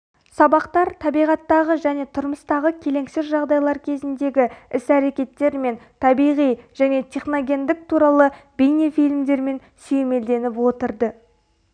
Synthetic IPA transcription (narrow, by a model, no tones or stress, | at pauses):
sɑbɑqt̪ɑɾt̪ʰɑbijʁɑt̪ːɑʁəʒæne̞t̪ʰʊɾməst̪ɑʁəkʲʰe̞le̞ŋsɪzʒɑʁd̪ɑjlˠɑɾkʲʰe̞zɪnd̪e̞ɡʲɪɪsæɾe̞kʲe̞t̪ːe̞ɾme̞nt̪ʰɑbijʁijʒ̥æne̞t̪ʲʰe̞χno̞ɡʲe̞nd̪ɪk̚t̪ʰuɾɑlˠəbijnefijlmd̪e̞ɾme̞n | sejeme̞ld̪e̞nɪpwo̞t̪əɾd̪ə